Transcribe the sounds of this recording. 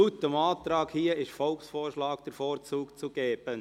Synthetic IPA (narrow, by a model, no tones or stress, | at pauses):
ut̪əmɑːt̪ɾɑːɡhiːəɪʃfɔlksfoːrʃlɑːkd̥əɾfɔːɾt͡suːkt͡suɡ̥eːb̥ə